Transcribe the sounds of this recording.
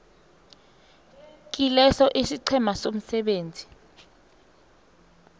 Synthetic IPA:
k̬ilɛsɔʔisiǀʰɛmasom̩sɛɓeːnd͡zʱi

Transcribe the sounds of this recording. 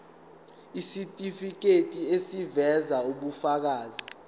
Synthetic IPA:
isitʼifik̬etʼiesivɛzauɓufak̬aːzi

